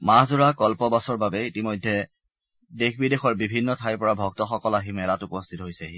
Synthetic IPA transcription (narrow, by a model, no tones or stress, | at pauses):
mazʊɹakɔlpɔbasɔɹbabɛitimojdʱːɛ | dexʰbidexɔɹbibʱinːɔtʰajɹpɔɹabʱɔk̚tɔxɔkɔlaɦimɛlatupɔstʰitɔɦojsɛɦi